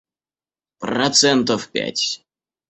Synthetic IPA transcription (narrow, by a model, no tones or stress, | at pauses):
prɐt̪sɛnt̪əfpʲæ̰tʲ